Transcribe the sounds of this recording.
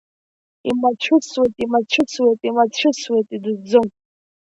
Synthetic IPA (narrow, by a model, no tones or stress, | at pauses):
imat͡ɕʷʰʊswejtʼimat͡ɕʷʰʊt͡sʰwejtʼimat͡ɕʷʰɪswejtʼidɨd͡zɨm